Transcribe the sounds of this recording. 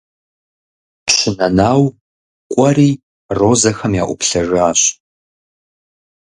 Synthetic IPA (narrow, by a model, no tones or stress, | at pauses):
pɕɪnɐnaːw | kʷʼɔɾiː | roːzɐxɐmjaːʔʷʊpɬɐʒaːɕ